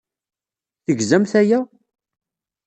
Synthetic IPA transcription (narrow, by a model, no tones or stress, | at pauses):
θəɡzæmθæjæ